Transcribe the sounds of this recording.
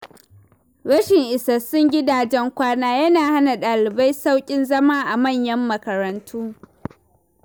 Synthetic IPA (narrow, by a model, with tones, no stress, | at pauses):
ɽɐ˦ʃɪ˨ŋʔɪ˨sɐ˨sʊ˦ŋɡʲɪ˦daː˨d͡ʒɛ˦ŋkʷaː˦naː˦jɐ˦naː˨ha˦na˨ɗaː˨lɪ˨ba˦jsa˦wkʲʼɪ˦nzɐ˦maː˦ʔa˨mɐ˦˨ɲjɐ˦mːɐ˨kɐ˨ɾɐ˨ntʰuː˦